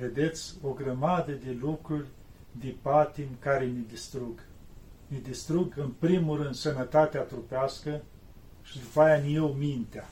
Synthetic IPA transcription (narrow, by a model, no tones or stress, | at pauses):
ve̞d̪e̞t̪sʲo̞ɡɾəmad̪əd̪e̞lukɾurʲ | d̪epat̪imkaɾenid̪ist̪ɾuɡ | nʲed̪ist̪ɾuɡɨnpɾimuɾɨnd̪sənət̪at̪eat̪ɾupeaskə | ʃid̪upajanʲijewmint̪ea